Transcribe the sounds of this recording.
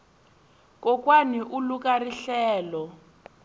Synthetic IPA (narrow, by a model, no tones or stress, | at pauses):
kɔkwaniʔuluk̬ʼariɬɛːlɔ